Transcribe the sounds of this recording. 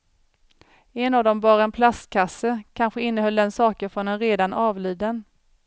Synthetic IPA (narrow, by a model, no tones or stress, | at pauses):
ɛnavd̪ɔmbɑːɾaɛnpʰlast̪kʰasːəkʰanɧəɪnːəhœld̪ɛnsɑːkəɾfɾɔnɛnɾeːd̪anʔɑːvliːd̪ən